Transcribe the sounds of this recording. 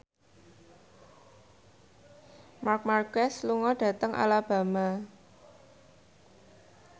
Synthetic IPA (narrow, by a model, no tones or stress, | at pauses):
mark̚markɛsluŋɔɖ̥ä̤t̪əŋʔa̰lab̥a̤ma